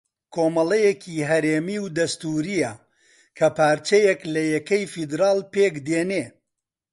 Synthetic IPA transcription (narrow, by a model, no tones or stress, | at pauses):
kʰoːmɐlɐjekʰiɦɐɾeːmiwd̪ɐst̪uːɾijɐ | kʰɐpaːɾt͡ʃejeklɐjɛkɐjfid̪ɾaːlˠpeːkd̪eːne